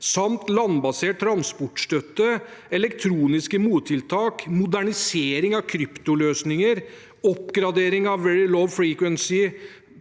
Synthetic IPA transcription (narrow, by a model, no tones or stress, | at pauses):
sɑmt̪lɑnbɑseːʈ̚tːɾɑnspɔʈʂt̪œt̪ːəɛlɛkt̪ʰɾuːnɪskəmuːt̪ʰːɪlt̪ʰɑːkmʊd̪æɳɪseːɾɪŋɑʋkʰɾʏpt̪ʊløːsnɪŋəɾ | ɔpːɡɾɑd̪eːɾɪŋɑʋʋɛɹɪloʋfɹiːkwɛnsɪ